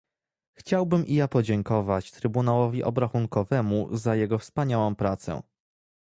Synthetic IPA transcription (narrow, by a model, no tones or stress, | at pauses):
xt͡ɕawbɘmʔijapɔd͡ʑɛŋkɔvat͡ɕt̪ɾɘbunawɔvʲiʔɔbɾaxuŋkɔvɛmuzajɛɡɔfspaɲawɔ̃w̃pɾat̪sɛ̰